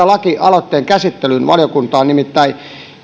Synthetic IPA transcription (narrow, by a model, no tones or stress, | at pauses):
ɑlɑkiʔɑlot̪ːeːŋkæsit̪ːelynʋɑ̰ljokunt̪ɑːnnimit̪ːæi